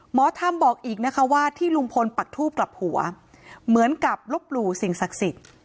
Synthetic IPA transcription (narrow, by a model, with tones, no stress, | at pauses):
mɔː˨˦t̪ʰa˧mbɔː˨˩k̚ʔiː˨˩k̚na˦˥kʰa˦˥waː˥˩t̪ʰiː˥˩lu˧ŋpʰo˧npa˨˩k̚t̪ʰuː˥˩p̚kla˨˩p̚hu˨˩˦ɐ | mɯ˩˦ənka˨˩p̚lo˦˥p̚luː˧si˨˩ŋsa˨˩k̚si˨˩t̪̚